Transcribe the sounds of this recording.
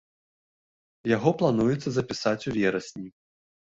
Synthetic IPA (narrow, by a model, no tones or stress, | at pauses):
jaɣɔplˠanujɛt̪sːɐzɐpʲisat͡sʲuvʲɛɾɐsʲnʲi